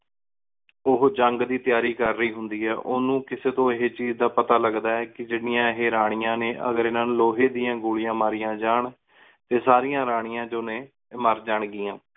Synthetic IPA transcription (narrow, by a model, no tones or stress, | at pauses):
ʊɦd͡ʒəŋɡd̪iːt̪ɪjaːɾiːkəɾːəiːɦʊnd̪iːɦɛːʔoːnũːkɪseːt̪õːɪɦet͡ʃiːzd̪aːpət̪aːləɡd̪aːɛːkɪd͡ʒɪɽɪjãːɪɦeːɾaːɽ̃ɪjãːneːʔə̰ɡəɾenənloːɦeːd̪ɪːãːɡʊːɭɪjãːmaːɾɪjãːd͡ʒaːɳ | t̪eːsaːɾɪjãːɾaːɽ̃ɪjãːd͡ʒoːnẽː | məɾd͡ʒaːɳɡɪːãː